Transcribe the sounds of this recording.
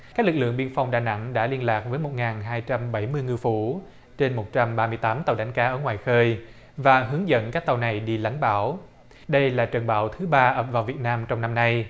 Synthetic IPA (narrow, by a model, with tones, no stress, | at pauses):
kaː˦˥k̚lɨ˨˩k̚lɨ̰˧˨əŋɓi˧ənfa˧wŋ͡mɗaː˨˩jna̰˧˥ŋɗa̰ː˧˥li˧ənlaː˨˩k̚vəː˨˦jmo˨˩t̚ŋaː˨˩nɦaː˧jt͡ɕa˧mɓa˧˩jmɨ˧jŋɨ˧əfu˧˩ | t͡ɕe˧nmo˨˩t̚t͡ɕa˧mɓaː˧mɨ˧jt̪aː˨˦mt̪a˨˩wɗa˨˦jŋ̟kaː˨˦ʔəː˧˩ŋwaː˨˩jxəː˧j | vaː˨˩ɦɨ˨˦əŋzə̰˧˥˨nkaː˦˥k̚t̪a˨˩wna˨˩jɗi˧la̰˧˨jŋ̟ɓaː˧˩w | ɗə˧jlaː˨˩t͡ɕə˨˩nɓaː˧˩wt̪ʰɨ˨˦ɓaː˧ʔəː˧˨˩p̚vaː˨˩wvi˨˩ət̚naː˧mt͡ɕɔ˧wŋ͡mna˧mna˧j